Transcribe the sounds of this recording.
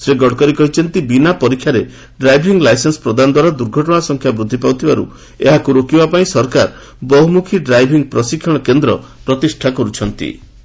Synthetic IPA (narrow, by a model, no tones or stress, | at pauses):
seɡɔɽkɔɾikɔɦit͡ʃʰɔnt̪ibinapɔɾikʰːjaɾe | ɖɾajbʱiŋɡlajsensɔ̥pɾɔd̪anɔd̪waɾad̪uɾɡʱɔʈɔɽ̃asɔŋkʰjabɾud̪ʱːipawt̪ʰibaɾṵ | eɦakuɾokibapaĩsɔɾkaɾ | bɔɦumukʰiɖɾajbʱiŋpɾɔsikʰːɔɽ̃ɔkend̪ɾɔpɾɔt̪isʈʰakɔɾut͡ʃʰɔnt̪ḭ